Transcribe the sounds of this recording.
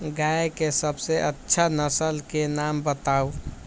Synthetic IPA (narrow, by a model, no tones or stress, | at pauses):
ɡaekesəbseʔətːʃʰanəsəlkenambət̪au